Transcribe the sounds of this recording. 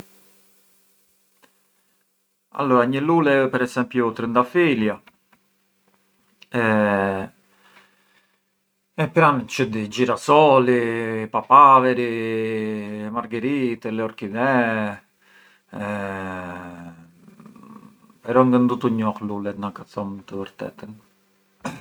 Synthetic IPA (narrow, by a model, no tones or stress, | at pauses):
a̰lːɔɾaɲəlulɛpɛɾɛsɛmpjut̪ɾənd̪afilja | ɛ | ɛpɾant͡ʃəd̪id͡ʒiɾasɔlipapavɛɾi | maɾɡəɾit̪ɛlɛɔɾkiðɛ | ɛ | pɛɾɔŋɡənd̪ut̪uɲɔklulɛt̪nakasɔmt̪əvəɾt̪ɛ̰t̪ən